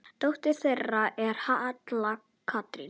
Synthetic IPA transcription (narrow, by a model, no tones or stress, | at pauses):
t̪owht̪ɪθerːaʔɛɾ̥haʔat̪la | kʰːat̪ɾin